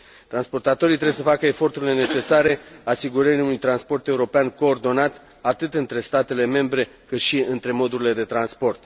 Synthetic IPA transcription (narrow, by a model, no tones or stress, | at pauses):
t̪ɾanspo̞rt̪at̪o̞ɾijt̪ɾees̬əfakəe̞fo̞rt̪uɾile̞ne̞t͡ʃe̞saɾe̞asiɡuɾəɾiunujt̪ɾanspo̞rt̪e̞uɾo̞peanko̞ːrd̪o̞nat̪ | at̪ɨt̪ɨnt̪ɾe̞st̪at̪e̞le̞me̞mbɾe̞ | kɨt̪ʃiɨnt̪ɾe̞mo̞d̪uɾile̞d̪e̞t̪ɾanspo̞rt̪